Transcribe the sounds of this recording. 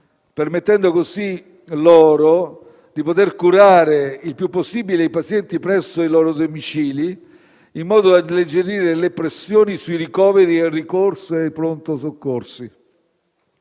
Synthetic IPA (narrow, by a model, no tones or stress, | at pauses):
permet̪ːɛnd̪okosi | lɔːɾo | d̪ipot̪erkuɾaːɾeilpjupːosːiːbilejpat̪sjɛnt̪ipɾɛsːoilɔːɾod̪omit͡ʃiːliː | mːɔːd̪oad̪led͡ʒeɾiːɾelepɾesːjoːnisuiɾikɔːveɾierikorsoejpɾont̪osokːorsi